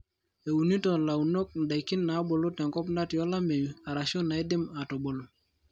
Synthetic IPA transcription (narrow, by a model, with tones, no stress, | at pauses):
e˨u˨ni˦tɔ˨la˨u˨no˦k̚n̩˨da˨jki˦nːa˨˦bo˨lo˦tɛ˨ŋkɔ˦pna˦tjɔ˦la˦me˨ja˨ɾa˨so˦nːa˨i˦dɪ˦ma˨to˨bo˨l